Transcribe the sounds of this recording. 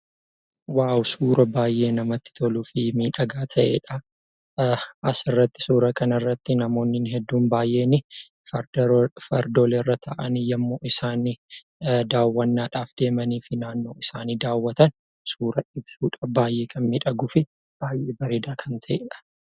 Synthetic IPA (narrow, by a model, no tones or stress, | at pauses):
waːwsuːɾɐbaːjʔe̞ːnɐmɐt̪ːɪ̥t̪ʰɔluːfɪmiːᶑɐɡaːt̪ʰɐʔḛːᶑɐ | ʔɐsɪrːɐt̪ːɪ̥suːɾɐkɐnɐrːɐt̪ːɪnɐmo̞ːnːɪnɦɛd̪ːuːnbaːjʔe̞ːnɪ | fɐfɐɾd̪olɛrːɐt̪ʰɐʔɐnijɐmːo̞ːʔɪsaːnɪ | d̪aːwːɐnːaːᶑaːfd̪̥e̞ːmɐniːfɪnaːnːo̞ːʔɪsaːniːd̪aːwːɐt̪ɐn | suːɾɐʔɪbsuːᶑɐbaːjʔeːkʰɐnmiːᶑɐɡʊfɪ | b̥aːjʔeːbɐɾeːd̪ɐkʰɐnt̪ʰɐʔeːᶑɐ̥